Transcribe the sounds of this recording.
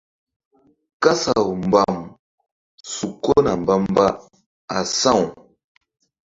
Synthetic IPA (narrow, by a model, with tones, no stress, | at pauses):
ka˦sa˨m˨ba˨m | su˨ko˦na˨m˨ba˦m˦ba˦ | a˨sã˦˨w